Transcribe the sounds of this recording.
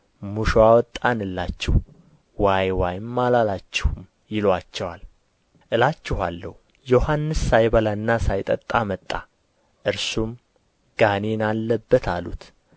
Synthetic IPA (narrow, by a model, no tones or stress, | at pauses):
muʃoawɔt̪ʼːanɨlːat͡ʃːɪh | wajwajɪmːalalat͡ʃːɪhum | jɪlwat͡ʃːɛwal | ʔɨlat͡ʃːɪhalːəhu | johanːɨsːajβəlanːasajt̪ʼət̪ʼːamət̪ʼːa | ʔɨɾsum | ɡ̥anenalːəbːət̪ʰalṵt̪